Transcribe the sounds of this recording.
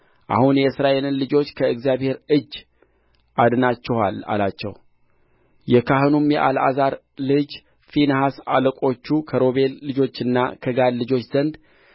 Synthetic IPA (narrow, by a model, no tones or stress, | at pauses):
ʔa̰hunjɛsɨɾaʔe̞lɨnlɨd͡ʒo̞t͡ʃːkʰəɨɡzijaβhe̞ɾɨd͡ʒː | ʔad̪nat͡ʃːɛha̰la̰lat͡ʃːɛ̰w | jɛkʰaɦɨnumjɛʔa̰la̰zaɾ | lɨd͡ʒ | finhasa̰ləkʼo̞t͡ʃːukʰəɾo̞βe̞lːɨd͡ʒo̞t͡ʃːɨnːakʰəɡad̪lɨd͡ʒo̞t͡ʃːz̥ənd̪